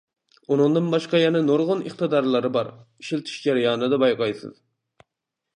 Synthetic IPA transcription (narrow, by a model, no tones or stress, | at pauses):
unɨŋd̪ɨnbɑʃqɑjɛnɛnoɾʁʊnəχt̪ɨd̪ɑɾlˠɨɾɨbɑɾiʃilt̪ʰi̥ʃd͡ʒæɾjɑːnɨd̪ɑbɑjqʰɑjsɨ̰z̥